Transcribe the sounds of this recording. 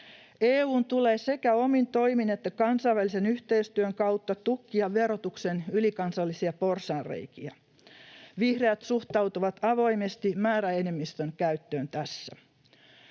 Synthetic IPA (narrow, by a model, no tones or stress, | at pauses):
eːuːnt̪ule̞ːse̞kæo̞mint̪o̞ijmine̞t̪ːækɑnsɑjʋælːˑisenyht̪e̞ist̪yøŋkɑwt̪ːɑt̪ukːiɑʋe̞ɾot̪uksenylikɑnsɑlːisiɑpo̞rsɑːrrḛjkiæ | ʋihreæt̪suht̪ɑwt̪uʋɑt̪ɑʋo̞jmest̪imæːɾæene̞mːist̪øŋkæyt̪ːøːnt̪æsːæ̰